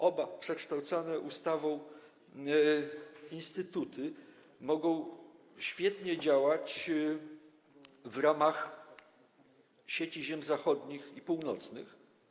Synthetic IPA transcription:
ʔɔbapʂɛkʂt̪awt̪sanɛʔust̪avɔ̃w̃ | inst̪ɘt̪ut̪ɘ | mɔɡɔ̃w̃ | ɕfʲjɛt̪ɲɛd͡ʑawat͡ɕ | vɾamax | ɕet͡ɕiʑɛmzaxɔd̪ɲixipuwnɔt̪snɘ̰x

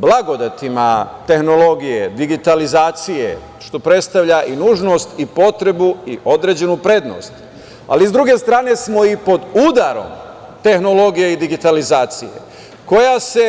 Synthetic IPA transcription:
blˠaɡo̞d̪at̪imat̪e̞xno̞lo̞ɡije̞d̪iɡit̪alizaːt̪sijḛ | ʃt̪o̞pɾe̞t̪st̪aʋʎaʔinuːʒno̞st̪ipo̞t̪ɾe̞buiʔo̞d̪ɾe̞d͡ʑe̞nupɾe̞d̪no̰st̪ | a̰liizd̪ɾuɡe̞st̪ɾaːne̞smo̞ipo̞d̪ud̪aɾo̞̰m | t̪e̞xno̞lo̞ɡije̞id̪iɡit̪alizaːt̪sije̞̰ | ko̞jase̞

